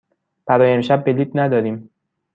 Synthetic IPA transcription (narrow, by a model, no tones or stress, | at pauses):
b̥æɾɒːjeemʃæbːe̞liːt̪næd̪ɒːd̪iːm